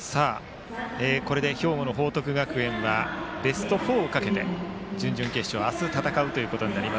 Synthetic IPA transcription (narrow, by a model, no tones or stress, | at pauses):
saː | eːko̞ɾe̞d̪e̞ço̞ːmono̞ɦo̞ːt̪o̞kɯ̟ɡakɯ̟ẽ̞ɰ̃βabe̞sɨ̥t̪o̞ɸo̞ːkake̞t̪e̞̰ | d͡ʑɨ̃ɲ̟d͡ʑɨ̃ŋke̞ɕɕoasɨt̪at̪akaɯ̟t̪o̞jiɯ̟ko̞t̪o̞ɲinaɾʲima